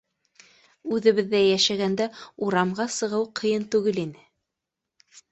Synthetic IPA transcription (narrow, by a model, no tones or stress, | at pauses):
ʉðɘ̆βɘ̆ðːæjæʃæɡænd̪æuɾɑmʁɑsɤ̆ʁɤwqʰɤ̆jɤnt̪ʉɡɘlinɘ